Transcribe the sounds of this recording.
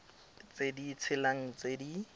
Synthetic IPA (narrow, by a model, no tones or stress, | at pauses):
t͡sedit͡sʰɪlaŋ̩t͡sedi